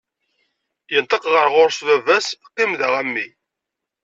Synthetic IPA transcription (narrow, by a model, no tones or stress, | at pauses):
jənt̪əqʁəɾʁʊɾsvævæsqːimðæʁæmːi